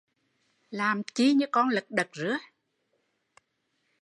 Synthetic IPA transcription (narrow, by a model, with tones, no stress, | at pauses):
laː˨˩mt͡ɕi˧ɲɨ̰˧˥kɔ˧nlɨ˨˩k̚ɗə˨˩k̚zɨ̰˧˥ə